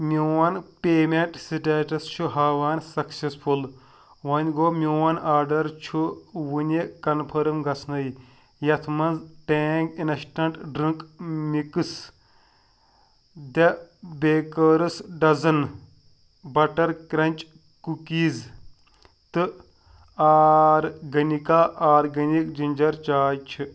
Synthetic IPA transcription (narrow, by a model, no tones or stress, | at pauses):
mʲowɐnpʲeːmeɳʈsiʈeːʈɐst͡ʃʰuɦaːʋaːnsɐksesfʰul | ʋɐnʲɡoːmʲuwɐnaːɾɖɐɾt͡ʃʰuwunʲekɐnpʰɐɾɨmɡɐt͡sʰnɐj | jɐt̪ʰmɐnzʈeːŋɡinɐʃʈɐɳʈɖɾɨŋkʼmikɨs | d̪ebeːkəːɾɨsɖɐzɐn | bɐʈɐɾkɾɐnʲt͡ʃʼ | kukiːz | t̪ɨ | aːɾɡɐnʲikaːʔaːɾɡɐnʲik̚d͡ʒinʲd͡ʒɐɾt͡ʃaːjt͡ʃʰɨ